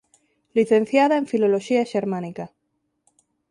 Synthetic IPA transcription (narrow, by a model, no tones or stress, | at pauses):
liθe̞nθjaðaeɱfilo̞loʃiaʃeɾmãnika